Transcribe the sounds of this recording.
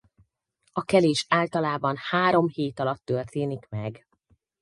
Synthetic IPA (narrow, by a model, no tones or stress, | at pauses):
ɒkɛleːʃaːlt̪ɒlaːbɒnhaːɾo̞mheːt̪ɒlɒt̪ːørt̪eːnikmɛɡ